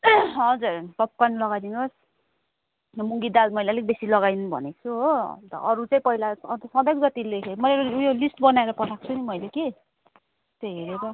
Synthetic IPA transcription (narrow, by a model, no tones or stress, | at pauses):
ɦʌd͡zurpʌp̚kanlʌɡad̪inos | muŋɡid̪almʌijlalik̚besilʌɡajnbʱʌ̰net͡sʰuɦot̪ʌ̰ʔʌɾut͡saĩpʌɦilaʌt̪sʌ̃d̪ʌjkd͡zʌt̪ilekʰemʌleɾojolisʈbʌnaeɾʌpʌʈʰak̚t͡sʰunimʌjleke | t̪eɦeɾeɾʌ